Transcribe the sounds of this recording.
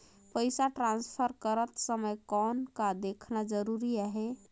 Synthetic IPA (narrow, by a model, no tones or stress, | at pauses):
pəjsaʈɾãnspʰəɾkəɾət̪səməjkɔnkad̪ekʰnad͡ʒəɾuɾiaɦe